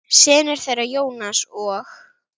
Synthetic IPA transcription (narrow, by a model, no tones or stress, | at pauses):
sɪːðnɛɾ̥θejrajoːwnasɔx